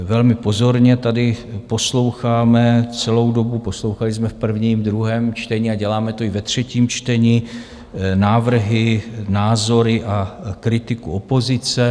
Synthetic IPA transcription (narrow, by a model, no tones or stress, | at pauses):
vɛlmɪpo̞zo̞ɾɲɛt̪adɪpo̞slo̞wxaːmɛt͡sɛlo̞wdo̞bupo̞slo̞wxalɪsmɛfpr̩vɲiːmd̪ɾuɦɛːmt͡ʃt̪ɛɲiaɟɛlaːmɛt̪o̞ɪvɛt̪r̝̥ɛciːmt͡ʃt̪ɛɲi | naːvr̩ɦɪnaːzo̞ɾɪʔakɾɪt̪ɪkuopo̞zɪt͡sɛ